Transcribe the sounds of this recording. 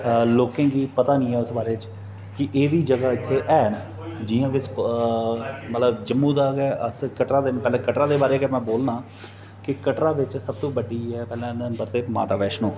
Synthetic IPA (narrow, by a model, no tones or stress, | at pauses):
loːkẽːɡiːpət̪aːnĩːɦɛːʊsbaːɾeːɪt͡ʃ | kɪʔeːd̪iːd͡ʒəɡaːɪt̪ʰːeːʔɛːn | d͡ʒɪːãːʋɪs | mət̪ləbd͡ʒəmːũːd̪aːɡɛːəskəʈɾãːd̪eːpɛːlẽːkəʈɾãːd̪eːbaːɾeːkɛmɛ̃ːboːlnãː | kɪkəʈɾãːʋɪt͡ʃsəb̚t̪õːbəɖiːɛːpɛːlãːnəmbəɾt̪eːma̰ːt̪aːʋɛːʃnõː